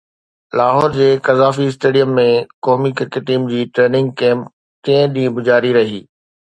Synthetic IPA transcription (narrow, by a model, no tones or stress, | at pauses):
laːɦɔːɾd͡ʑeːkɐzaːfiɪsʈeːɖijəmːẽkɔːmikɐkeʈiːmd͡ʑiːʈɾeːnɪ̃ŋɡ̚kẽːm | kɐ̃ɪ̃ɗĩːə̃bʊd͡ʑaːɾiɾɐɦiː